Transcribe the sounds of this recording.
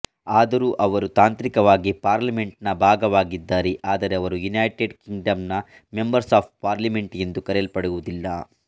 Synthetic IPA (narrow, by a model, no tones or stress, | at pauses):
aːd̪ɐɾuːʔɐʋɐɾut̪aːnt̪ɾikɐʋaːɡipaːɾlɐme̞ɳʈnɐbʱaːɡɐʋaːɡid̪ːaːɾeʔaːd̪ɐɾeɐʋɐɾujunɐjʈeɖkiŋɡɖɐmnɐ | me̞mbɐɾsaːp̚paːɾlime̞ɳʈjend̪ukɐɾɛlpɐɽujuud̪ilːɐ